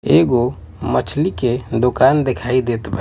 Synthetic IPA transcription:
eːɡo | mət͡ʃʰliked̪ʊkaːnd̪ekʰaːid̪eːt̪bʱ

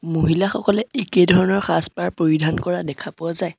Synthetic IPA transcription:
moɦilaxɔkɔlɛekedʱɔɹɔnɔɹxaspaɹpɹoɹidʱankɔɹadɛkʰapʊazaj

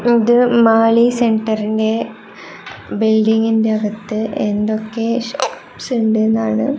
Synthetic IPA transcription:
iðɨmaːlise̞ɳʈɐɾinde̞ | bilɖiŋɡinde̞ɐɡɐt̪ːɨʔend̪o̞kːe̞ɕoːpsuɳɖɨenːaːɳɨ

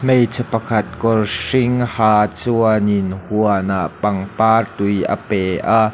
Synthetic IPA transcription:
mejt͡sʰəpɐkʰɐt̪̚kɔrʂɪŋhaːt͡suɐnɪnhuɐnaʔpɐŋpaːrt̪ujʔa̰pɛːʔaʔ

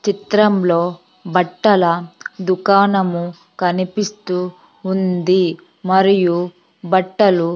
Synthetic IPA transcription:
t͡ʃit̪ɾɐmlo̞ː | bɐʈːɐlɐd̪ukaːnɐmu | kɐnipist̪uː | nd̪i | mɐɾiju | bɐʈːɐlu

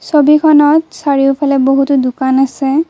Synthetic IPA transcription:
sobikʰɔnɔtsaɹiʊpʰalɛboɦutʊdʊkanasɛ

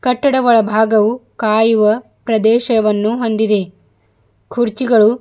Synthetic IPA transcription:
kɐʈːɐɽɐʋɐɭɐbʱaːɡɐʋukaːjuʋɐ | pɾɐd̪ɛːʃɐɐʋɐnːuɦo̞nd̪id̪e̞ | kʰuɾt͡ʃiɡɐɭu

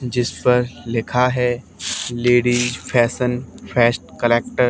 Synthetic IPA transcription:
d͡ʒɪspɐɾlɪkʰaɦɛ | leːɖiːd͡ʒpʰɛːsənpʰɛːsʈ̚kəleːk̚ʈəɾ

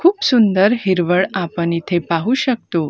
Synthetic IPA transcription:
kʰuːpsund̪əɾɦiɾʋəɭapəɳit̪ʰepaɦuːɕək̚t̪o

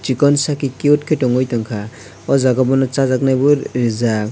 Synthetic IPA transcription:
t͡ʃikɔnsakikeut̚kʰetɔŋɔjt̪ɔŋkʰa | ɔzaɡɔbɔnɔt͡ʃazaknajbuɾːiza

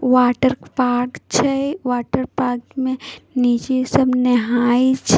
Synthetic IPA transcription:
ʋaːʈəɾpaːɾkt͡ʃʰɛʋaːʈəɾpaːkmẽniːt͡ʃesəbnɛɦaːit͡ʃʰ

